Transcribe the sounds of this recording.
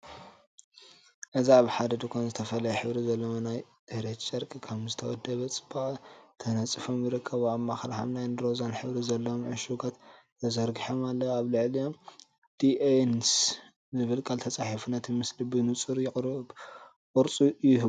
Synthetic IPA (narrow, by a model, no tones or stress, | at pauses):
ʔɨziaβħad̪ɐd̪ɨkʰʷonzɨt̪ʰɐfɐlɐjɛħɨβɾizɐlːɐwanajt̪ʰɨhɾet̪t͡ʃʼɐɾkʼikʰɐmzɨt̪ʰɐwɔd̪ːɐβɐt͡sʼɨ̥bat̪ʰɐnɐt͡sʼːɨfomjiɾɨkʰːɐβamːaxlaħa̰βnajnd̪ɾo̞zanħɨβɾizɐlːɐomʕɨʃuɡat̪ | t̪ʰɐzɐɾɡiħomalːɐaβlɨʕlijom | d̪̥iens | zɨβɨlkʼalt̪ʰɐt͡sʼaħifunɐt̪mɨslibɨnut͡sʼɨɾjɪkʼɾɨ | kʼɨɾt͡sʼujɪhɨ